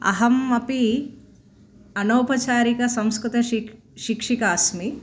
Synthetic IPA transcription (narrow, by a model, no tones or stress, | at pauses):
ɐ̰ɦɐmɐpi | ɐnoːpɐt͡ʃaːɾikɐsɐmskɾut̪ɐ | ʃikʂikɐːsmi